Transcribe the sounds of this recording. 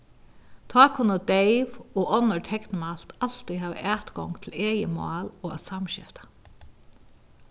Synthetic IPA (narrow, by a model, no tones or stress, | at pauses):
t̪ʰɑːkʰʊnad̪ejʋɔɔnːɔɹt̪ʰɛknmal̥t̪al̥t̪iɦaːʋɪ̰ʔæːt̪kɔŋt̪ʰɪleːjə̰mɑ̰ːlɔːa̰ðsamʃɪ̰ft̪ḁ